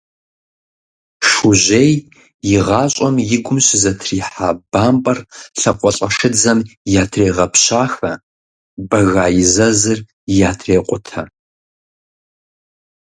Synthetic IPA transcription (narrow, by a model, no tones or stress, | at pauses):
ʂuʑej | jɪʁaːɕʼɐmjɪɡʷʊmɕʼzɐtʰriːħaːbaːmpʼɐrɬɐqʷʼɔɬʼɐʂɨd͡zɐmjaːtʰreːʁɐpʰɕaːxɐ | bɐɣaːjɪzɐzɨr | jaːtʰreːqʷʼʊtʰɐ